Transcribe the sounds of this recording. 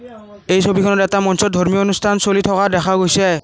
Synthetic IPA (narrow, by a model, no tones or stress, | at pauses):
ejsobikʰɔnɔɹɛtamɔnsɔt̚dʱoɹmionustʰansolitʰɔkadɛxʰaɡojsɛ